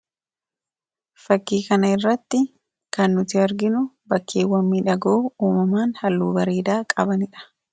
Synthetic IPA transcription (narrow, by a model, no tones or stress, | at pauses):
fɐkːiːkɐnɐɪrːɐt̪ːɪ | kɐnːʊt̪ɪɐɾɡɪnʊbɐkʰːeːwːɐmːiːᶑɐɡoːuːmɐmaːnhɐlːuːbɐɾeːd̪aːkʼɐbɐnɪᶑɐ̥